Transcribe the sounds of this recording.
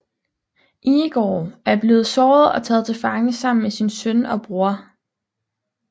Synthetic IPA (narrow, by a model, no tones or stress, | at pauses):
ʔiːɡ̥ɒ̰ːæɐb̥le̝ːð̩ˠsɒːð̩ˠɒ̽t͡sʰɛ̰ːð̞̩ˠt͡sʰe̝fɑ̈ŋəsɑ̈m̰n̩mesinsœnɒ̽b̥ʁuɐ